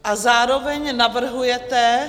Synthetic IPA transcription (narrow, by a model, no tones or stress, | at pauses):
ʔazaːɾovɛɲnavr̩ɦujɛt̪ɛ